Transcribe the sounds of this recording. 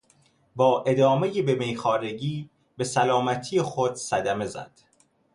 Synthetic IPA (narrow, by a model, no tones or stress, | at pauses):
bɒːʔe̞d̪ɒːme̞jebe̞mejxɒːɾe̞ɟiː | be̞sælɒːmæt̪ʰijexod̪̥sæd̪æme̞zæ̰d̪̥